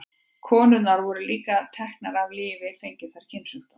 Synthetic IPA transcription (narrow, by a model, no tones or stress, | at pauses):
kʰɔːnʏnaɾvɔːɾʏliːkat̪ʰɛhknaɾavlɪːvɪfejɲcɪθaɾ̥cʰɪnsʏht̪a